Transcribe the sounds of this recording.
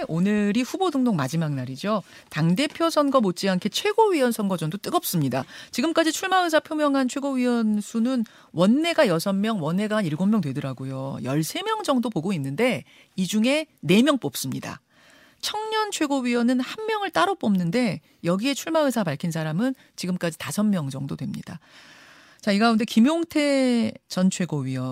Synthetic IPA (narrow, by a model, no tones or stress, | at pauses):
onɯɾiɸubodɯŋdoŋmad͡ʑimaŋ̚naɾid͡ʑotaŋde̞pʰjʌsʰʌnɡʌmot̚t͡ɕ͈iankʰe̞t͡ɕʰwe̞ɡoɥiʌnsʰʌnɡʌd͡ʑʌŋdot͈ɯɡʌp̚s͈ɯmɲida̰t͡ɕiɡɯmk͈ad͡ʑit͡ɕʰuɭmaɯs̬ʰapʰjomjʌŋɦant͡ɕʰwe̞ɡoɥiwʌnsʰunɯn | wʌnːe̞ɡajʌsʰʌmːjʌŋwʌnːe̞ɡaɦaniɭɡomːjʌŋtwedɯɾaɡojojʌ̰ɭsʰe̞mjʌŋd͡ʑʌŋdopoɡoinːɯnde̞ | id͡ʑuŋe̞ne̞mjʌŋp͈op̚s͈ɯmɲida̰ | t͡ɕʰʌŋɲʌnt͡ɕʰwe̞ɡoɥiʌnɯnhanmjʌŋɯɭt͈aɾop͈ʌmnɯnde̞ | jʌɡie̞t͡ɕʰuɭmaɯsʰapaɭkʰins̬ʰaɾamɯn | t͡ɕiɡɯmk͈ad͡ʑitasʰʌmːjʌŋd͡ʑʌŋdodwe̞mɲḭd̥a | t͡ɕaiɡaunde̞kimjoŋtʰe̞t͡ɕʌnt͡ɕʰwe̞ɡoɥiʌ